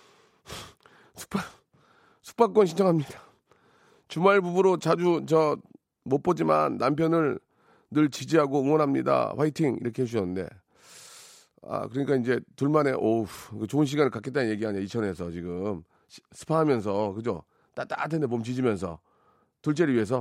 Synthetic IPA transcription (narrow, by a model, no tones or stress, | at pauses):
sʰu̥k̚pʰa | sʰu̥k̚p͈ak͈ʌnɕʰind͡ʑʰʌŋɦamɲid̥a | t͡ɕumaɭbubuɾot͡ɕad͡ʑut͡ɕʌ | mop͈od͡ʑima̰nːampʰjʌnɯɭ | nɯɭt͡ɕid͡ʑiɦaɡoɯŋwʌnɦamɲḭda̰ɸwaitʰiŋḭɾʌkʰeɦes̬ʰuɕʰʌnːɯnde̞̰ | a̰kɯɾʌɲik͈aind͡ʑe̞tuɭmane̞ʔokɯt͡ɕoɯnɕ̬ʰiɡanɯɭkak͈et͈anɯnɲje̞ɡiɦaɲiait͡ɕʰʌne̞s̬ʰʌt͡ɕiɡɯm | ɕsʰɯ̥pʰaɦamjʌns̬ʰʌkɯd͡ʑo | t͈at͈a̰tʰendep̬omt͡ɕid͡ʑimjʌnsʰʌ̰ | tuɭt͡ɕ͈eɾɯɭɥiɦe̞s̬ʰʌ